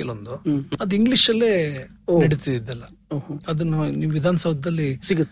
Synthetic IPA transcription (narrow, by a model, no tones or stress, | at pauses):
elond̪uɐd̪uiŋɡliʂɐlːe̞ː | iɽit̪id̪id̪ːɛlːɐ | oɦoɐd̪ɐnːuniːʋuʋid̪ʱaːnɐsɐbɐd̪ɐlːisiɡut̪ː